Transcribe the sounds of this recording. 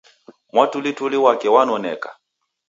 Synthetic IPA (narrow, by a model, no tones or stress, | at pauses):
mwatulituliwakɛwanɔnɛka̰